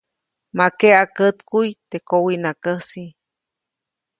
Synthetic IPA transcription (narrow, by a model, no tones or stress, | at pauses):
makeakət̪kujt̪ekowinakəsi